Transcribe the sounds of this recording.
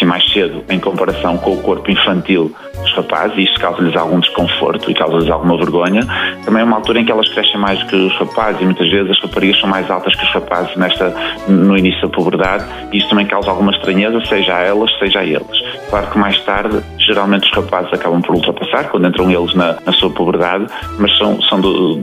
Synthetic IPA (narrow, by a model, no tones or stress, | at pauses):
ĩmajʃseðuẽj̃kõmpɐɾɐsɐ̃w̃kõukoɾpuĩfɐ̃nt̪ilˠ | uʃʁɐpa̰zziiʃst̪u̥kawzɐʎɨza̰lˠɣũd̪ɨʃkõfo̰ɾt̪uḭkawzɐʎɨza̰lˠɣumɐvɨɾɣoɲɐt̪ɐmɐ̃j̃ɛumalˠt̪uɾɐẽkɛlˠɐʃkɾɛsẽj̃majʒðukɨuʃʁɐpazɨzimũj̃t̪ɐʒvezɨzɐʃʁɐpɐɾiɐʃsɐ̃w̃majzalˠt̪ɐʃkuʃʁɐpa̰zɨʒnɛʃt̪ɐnuinisjuðɐpuβɨɾðað | iisut̪ɐmɐ̃j̃kawzalˠɣumɐʃt̪ɾɐɲezɐseʒaɛlˠɐʃseʒɐaḛlˠɨʃklˠaɾukɨmajʃt̪aɾðɨ | ʒɨɾalˠmẽnt̪uʃʁɐpazɨzɐkaβɐ̃w̃pɔɾulˠt̪ɾɐpɐsaɾkwɐ̃nd̪ẽnt̪ɾɐ̃w̃elˠɨʒnɐnɐsuɐpuβɨɾðað | mɐʃsɐ̃w̃sɐ̃w̃d̪u